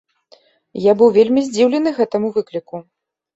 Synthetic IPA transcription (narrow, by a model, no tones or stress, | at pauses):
jabɨwvʲelʲmʲizʲd͡zʲiwlʲɛnɨɣɛt̪ɐmuvɨklʲiku